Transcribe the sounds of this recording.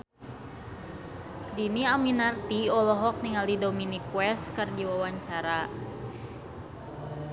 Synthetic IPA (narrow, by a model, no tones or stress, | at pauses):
diniaminart̪iɔlɔɦɔk̚niŋaldidominikwɛst̪kərdiwawaɲt͡ʃaɾa